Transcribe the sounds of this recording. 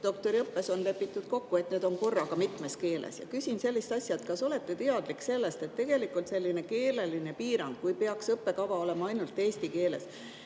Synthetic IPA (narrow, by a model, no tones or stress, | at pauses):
d̪̥o̞kt̪o̞ɾiɤpːe̞so̞nle̞pːˑit̪ːˑud̪̥ko̞kːue̞t̪ne̞ːd̪̥o̞nko̞rːɑkɑmit̪ˑme̞ske̞ːlḛsjɑ̰kysʲinse̞lːist̪ɑsʲjɑet̪kɑso̞le̞t̪ːe̞t̪eɑd̪̥likse̞lːe̞st̪e̞t̪ːe̞ɡ̥e̞likult̪se̞lʲːine̞ke̞ːle̞line̞piːɾɑŋɡ̥kujpeɑksɤpːe̞kɑvɑo̞le̞mɑɑjnult̪ːˑe̞ːsʲt̪ike̞ːle̞̰s